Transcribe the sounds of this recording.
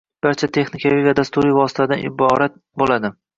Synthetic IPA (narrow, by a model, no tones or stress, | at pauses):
b̥aɾt͡ʃʰat̪ʰe̞χnɪkʲavivad̪ast̪ʊɾivɒsɪ̥t̪ʰad̪anʔɪ̰bɒɾat̪̚ | bolad̪ɪ